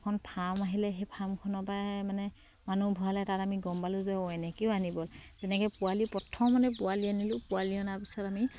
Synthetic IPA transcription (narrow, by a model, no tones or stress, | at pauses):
kʰɔnpʰamaɦilɛɦepʰamkʰɔnɔpamanɛ | manubʱɔɦalɛtatamiɡɔmbalʊzɔɔɛnɛkeʊanibɔlzɛnɛkɛjpʊwalipɹɔtʰːɔmɔnɛpʊalianilʊ̃pʊaliɔnapisɔtami